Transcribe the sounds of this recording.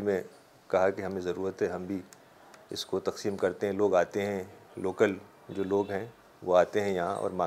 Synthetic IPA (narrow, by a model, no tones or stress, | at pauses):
mẽ | kɐɦakeɦɐmẽzɐɾuːɾət̪ɦɛɦɐmbʱi | ɪskot̪ɐqsiːmkɐɾt̪eɦɛ̃loːɡaːt̪eɦɛ̃loːkəl | d͡ʒoːloːɡɦɛ̃ | ʋoaːt̪eɦɛ̃jɐɦãʔɔ̰ːɾmãː